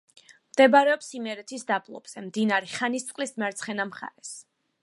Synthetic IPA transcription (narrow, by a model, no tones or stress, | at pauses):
md̪̥ɛbaɾɛɔpsimɛɾɛt̪ʰisd̪abʰlˠɔ̰b̥z̥ɛmd̪inaɾɛχanist̪sʼqʼlismɛɾt̪sʰχɛnamχa̰ɾɛs